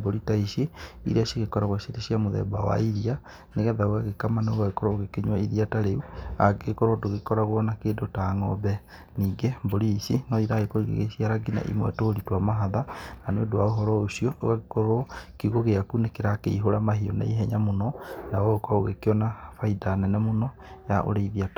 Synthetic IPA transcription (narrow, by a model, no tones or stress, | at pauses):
boɾitaiʃeḭɾeaʃeɣekɔɾaɣwaseteɕiamoðɛ̰bawa̰iɾia | neɣɛðaoɣaɣekamaneoɣaɣekɔɾɔoɣekeɲwaiðiataɾeuaɡekɔɾwɔdoɣekɔɾaɣwɔnakeːdotaŋɔbɛ | niːɡemboɾisinɔiɾaɣekɔɾiɣḛɣesiaɾaɡina̰ʔḭmwɛ̰toːɾitwamaɦaðananeodoaoɦɔɾɔosiɔʔoɣaɣekɔɾɔkiɣoɣeakunekeɾakḛiɦoɾamaɦiɔ̰na̰iɦɛɲamonɔnaɔokɔoɣekeɔnafaidanɛnɛmonɔ | jaʔo̰ɾeiðiata